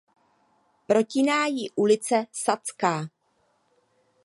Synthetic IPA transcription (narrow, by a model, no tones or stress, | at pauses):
pɾo̞cɪnaːjɪʔulɪt͡sɛsat͡skaː